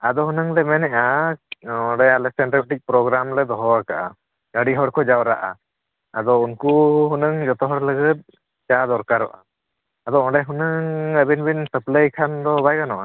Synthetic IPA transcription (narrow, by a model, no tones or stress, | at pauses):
ad̪ɔɦunəŋlɛmɛnɛʔa | ɔɖajalɛsɛnʈɾiʈik̚pɾɔɡɾamlɛd̪ɔɦɔakaʔa̰ | əɽiɦɔɽkʰɔd͡ʒawɾa̰ʔa̰ | ad̪ɔunkuɦunəŋd͡ʒɔt̪ɔɦɔɽləɡət̪̚ | t͡ʃad̪ɔɾkaɾɔ̰ʔa̰ | ad̪ɔɔɖajɦunəŋəbinbinsəplejkʰand̪ɔbajkanɔʔa